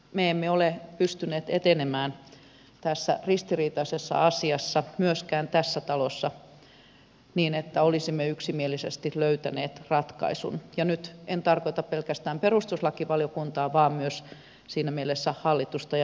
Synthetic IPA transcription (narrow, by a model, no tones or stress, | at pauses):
meemːeolepyst̪ynˑeːt̪et̪enemæːn | t̪æsːæ̰rist̪iriːt̪ɑisesːɑ̰ɑsiɑsːɑmyøskæːnt̪æsːæt̪ɑlosːɑ | niːnet̪ːæolisimːeyksimielisest̪iløyt̪æneːt̪rɑt̪kɑ̰isṵnjɑnyt̪ent̪ɑrkoit̪ɑppelkæst̪æːmperust̪uslɑkiʋɑljokunt̪ɑːʋɑːmmyøs | siːnæmielesːæhɑlːit̪ust̪ɑj